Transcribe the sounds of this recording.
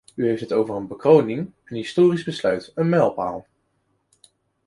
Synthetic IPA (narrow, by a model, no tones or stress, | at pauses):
yɦejftɦətowvərənbəkrownɪŋənɦɪstoːrizbəslœɥtənmɛlˠpa̰ːlˠ